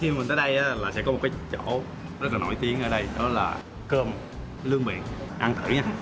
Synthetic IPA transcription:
xi˧a˨mi˨˩nt̪ə˨˦ɗə˧jʔaː˨˦laː˨˩sɛ̰˧˥kɔ˨˦m̚˨˩kaː˨˦jt͡ɕo˧˥ | zə˦t̚laː˨˩no̰˧˩jt̪i˨˦əŋʔəː˧˦ɗə˧jɗɔ˨˦laː˨˩ | kəː˧m | lɨ˧əŋɓḭ˧˨ənʔa˧nt̪ʰɨ̰˧˩ɲaː˧

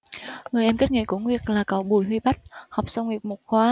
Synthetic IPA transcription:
ŋɨ˨˩əjʔɛ˧mke˦˥t̚ŋḭ˧˥ku˧˩əŋwi˨˩ək̚laː˨˩kə˨˦wɓu˨˧˩jɦwi˧ɓa˦˥t̚hɔ˨˩wk͡p̚sə˧wŋ͡mŋi˨˩əp̚mo˨˩t̚xwaː˧˦

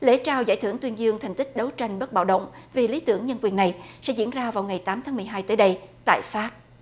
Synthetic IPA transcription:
lḛ˧˥t͡ɕaː˧˩wza̰ː˧˩jt̪ʰɨ˧˩əŋt̪wi˧ənzɨ˧əŋt̪ʰŋ̟t̪i˦˥k̟̚ɗə˨˦wt͡ɕa˧jŋ̟ɓə˦˥t̚ɓa̰ː˧˨wɗə̰˧˨wŋ͡mvi˨˩li˨˦t̪ɨ̰˧˩əŋɲə˧nkwi˨˩ənːa˨˩jsɛ̰˧˥zḭ˧˥ənzaː˧vaː˨˩wŋa˨˩jt̪aː˨˦mt̪ʰaː˨˦ŋmɨ˨˩əjɦaː˧jt̪əː˨˦jɗə˧jt̪a̰ː˧˨jfaː˦˥p̚

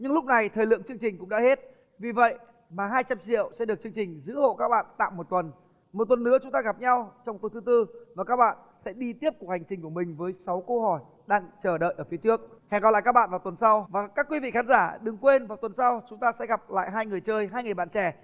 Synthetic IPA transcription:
ɲɨ˧ŋlʊ˦˥k͡p̚na˨˩jt̪ʰəː˨˩lɨ̰˧˨əŋt͡ɕɨ˧əŋt͡ɕï˨˩ŋ̟kʊ̰˧˥ŋ͡mɗa̰ː˧˥he˦˥t̚ | vi˨˩və̰˧˨j | maː˨˩ɦaː˧jt͡ɕa˧mt͡ɕḭ˧˨əwsɛ̰˧˥ɗək̚t͡ɕɨ˧əŋt͡ɕï˨˩ŋ̟zɨ̰˧˥ho̰˧˨kaː˦˥k̚ɓa̰ː˧˨nt̪a̰ː˧˨wmo˨˩t̚t̪wə˨˩n | mo˨˩t̚t̪wə˨˩nːɨ̰˧˥ət͡ɕʊ˨˦ŋ͡mt̪aː˧ɣa˨˩p̚ɲa˧wt͡ɕɔ˧wŋ͡mt̪u˨˩t̪ʰɨ˨˦t̪ɨ˧maː˨˩kaː˦˥k̚ɓa̰ː˧˨nsɛ̰˧˥ɗi˧t̪i˦˥əp̚ku˨˩əha˨˩ŋ̟t͡ɕï˨˩ŋku˧˩əmï˨˩ŋ̟vəː˨˦jsa˨˦wkə˧hɔ˧˩j | ɗaː˧ŋt͡ɕəː˧˩ɗə̰ː˧˨ʔəː˧˩fi˨˦t͡ɕɨ˦˥ək̚hɛ˨˧˩ŋkɔ˨˩la̰ː˧˨kaː˦˥ɓa̰ː˧˨vaː˨˩wt̪wə˨˩nsa˧wvaː˨˩kaː˦˥kːwi˧˦vḭ˧˨xaː˨˦nzaː˧˩ɗɨ˨˩ŋkwe˧nvaː˨˩wt̪wə˨˩nsa˧wt͡ɕʊ˨˦ŋ͡mt̪aː˧sɛ̰˧˥ɣa˨˩p̚la̰ː˧˨jɦaː˧jŋɨ˨˩əjt͡ɕəː˧jɦaː˧jŋɨ˨əjɓa̰˧˨nt͡ɕɛ˧˩

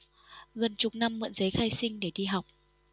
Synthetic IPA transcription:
ɣə˨˩nt͡ɕʊ˨˩k͡p̚na˧mːɨ̰˧˨nzə˨˦jxaː˧jsï˧ŋ̟ɗe˧˩ɗi˧ɦa˨˩wk͡p̚

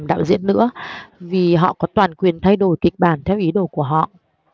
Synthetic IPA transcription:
mɗa̰ː˧˨wzḭ˧˥ənːɨ̰˧˥əvi˨˩ɦɔ̰˧˨kɔ˨˦t̪waː˨˩nkwi˨˩ənt̪ʰa˧jɗo˧˩jkï˨˩k̚ɓaː˧˩nt̪ʰɛ˧wʔi˨˦ɗo˧˩ku˧˩əɦɔ̰˧˨ʔ

